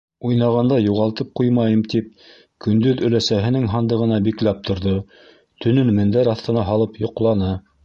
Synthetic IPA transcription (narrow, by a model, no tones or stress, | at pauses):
ujnɑʁɑnd̪ɑjuʁɑlˠt̪ɤp̚qujmɑjɤmt̪ip̚ | kɵ̆nd̪ɵðɵ̆læsæɦɘ̆nɘŋɦɑnd̪ɤ̆ʁɤ̆nɑbiklæp̚t̪ʰŏɾðo | t̪ɵ̆nɵnmɘ̆nd̪æɾɑθt̪ɤ̆nɑɦɑlˠɤpjŏqlˠɑnɑ